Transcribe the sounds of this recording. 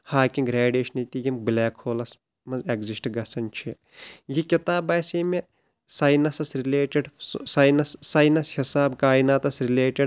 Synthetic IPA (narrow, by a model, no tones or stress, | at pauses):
haːkiŋɡɾeːɖeːʃɐnɐt̪ijimblɛːkʰhoːlɐs | mɐnzeɡzisʈɡɐsɐnʲt͡ʃʰi | jikit̪aːbɐːseme | saːjnɐsɐsɾileːʈɐɖssɐjnɐsːaːjnɐshisaːbkaːjnaːt̪ɐsɾileːʈiɖ